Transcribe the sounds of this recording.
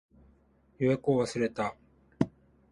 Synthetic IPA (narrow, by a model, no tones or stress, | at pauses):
joekoːβasɨɾe̞t̪a